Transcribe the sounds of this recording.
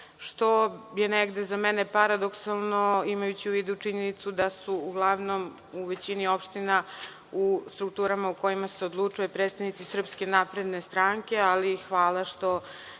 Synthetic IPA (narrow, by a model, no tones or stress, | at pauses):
ʃt̪o̞je̞neɡd̪ezamenepaɾad̪o̞ksalˠno̞imajut͡ɕiuʋiːd̪ut͡ʂiɲe̞nit̪sud̪asuuɡlˠaʋno̞m | uʋe̞t͡ɕinio̞pʃt̪ina | ust̪ɾuk̚t̪uːɾamauko̞jimase̞od̪lˠut͡ʂujopɾet̪st̪avnit̪sisr̩pske̞napɾe̞d̪ne̞st̪ɾaːŋkʲe̞alixʋaːlˠaʃt̪o̞